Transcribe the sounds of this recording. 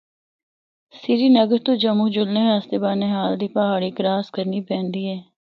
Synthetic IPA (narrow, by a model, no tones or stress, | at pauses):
sɪɾiːnəɡəɾt̪oːd͡ʒəmũːd͡ʒʊlneːɦaːst̪eːbaːneːɦaːld̪iːpəɦaːɽiːkɾaːskəɾniːpɛ̃ːnd̪iːɦɛː